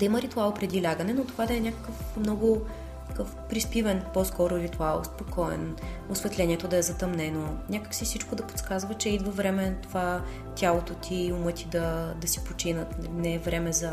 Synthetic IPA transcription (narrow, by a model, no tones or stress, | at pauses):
d̪ɐiməɾit̪ualˠpɾɛd̪ilʲaɡənɛnot̪ovad̪ɐɛnʲakə̥kəfmnɔɡʊ | kkɤfpɾispivɛnpɔskɔɾʊɾit̪ualˠo̰spokʰɔɛ̰n | ʊsvɛt̪lʲɛnʲiɛt̪od̪ɐɛzɐt̪ɐmnɛnonʲakə̥ksifsit͡ʃkod̪ɐpo̥t̪skazvɐt͡ʃɛid̪vɐvɾɛmɛt̪ova | t̪ʲalˠot̪ot̪ʰiʊmɤt̪ʲid̪ɐd̪ɐsi̥pot͡ʃinət̪nɛɛvɾɛmɛzɐ